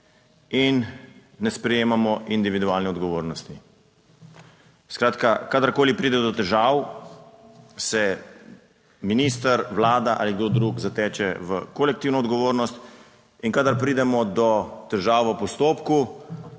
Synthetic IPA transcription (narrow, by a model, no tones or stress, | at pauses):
inːɛspɾɛjeːmamɔʔind̪iʋid̪uaːlnɛɔd̪ɡɔʋoːɾnɔst̪i | skɾaːt̪kakad̪aɾkoːlipɾiːd̪ɛd̪ɔt̪ɛʒaːw | sɛ | minist̪əɾʋlaːd̪aʔa̰ːliɡd̪oːd̪ɾukzat̪ɛːt͡ʃɛʋəkolɛk̚t̪iwnɔːd̪ɡɔʋoːɾnɔst̪ | iŋkad̪aɾpɾiːd̪ɛmɔd̪ɔt̪ɛʒaːwʋəpɔst̪oːpku